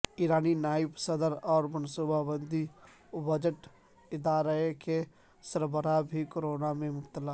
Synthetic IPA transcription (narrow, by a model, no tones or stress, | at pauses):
iːɾaːninaːɪpsəd̪əɾɔːɾmənsuːbʱabə̃nd̪ʱi | bəd͡ʒəʈ | ɪd̪aːɾəke | səɾbəɾabʱikoɾoːnamẽmʊp̚t̪əla